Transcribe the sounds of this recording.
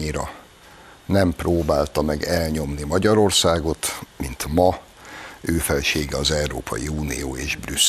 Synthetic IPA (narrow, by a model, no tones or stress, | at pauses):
iɾɒ | nɛmproːbaːlt̪ɒmɛɡɛlɲo̞mnimɒɟɒɾo̞rsaːɡo̞t̪mint̪mɒ | øːfɛlʃeːɡɛɒzɛuɾo̰ːpʰɒ̰jḭuːnḭjo̰ːeːʒbrys